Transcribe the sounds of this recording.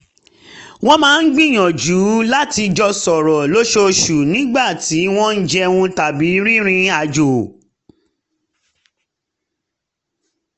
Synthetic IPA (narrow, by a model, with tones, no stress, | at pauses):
w̃ɔ̃˦mãː˨˦n̩˦ɡ͡bĩ˦˨j̃ɔ̃˨d͡ʒu˨˦la˦ti˧d͡ʒɔ˧sɔ˨ɾɔ˨lo˦ʃo˧ʃu˨nĩ˦ɡ͡ba˦˨ti˨˦w̃ɔ̃˦n̩˦d͡ʒɛ˧wũ˧ta˨bi˨˦ɾi˦ɾ̃ĩ˧a˨d͡ʒo˨